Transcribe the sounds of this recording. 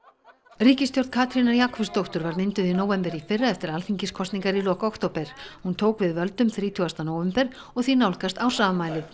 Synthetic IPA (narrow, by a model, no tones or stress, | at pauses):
riːcɪst̪jowɾt̪̚kʰaːt̪ɾinaɾjaːkʰɔpst̪owht̪ʏɾvaɾmɪnt̪ʏðinoːwvɛmpɛɾifɪrːaɛft̪ɪɾalfiɲcɪskʰɔst̪niŋkaɾilɔːkɔkt̪owpɛɾ̥hunt̪ʰoːwkvɪðvœlt̪ʏmθɾiːt̪ʰuast̪anoːwvɛmpɛɾ̥ | ɔɣθinawlkast̪awsaːðmaːjlɪ